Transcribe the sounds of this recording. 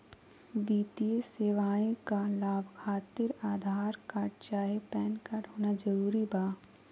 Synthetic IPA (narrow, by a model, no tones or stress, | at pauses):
biːt̪ieseːʋaːĩkalaːbkʰaːt̪ɪɾaːd̪ʱaːɾkaːʈt͡ʃaːɦepɛːnkaʈɦoːnad͡ʒɐɾuːɾibaː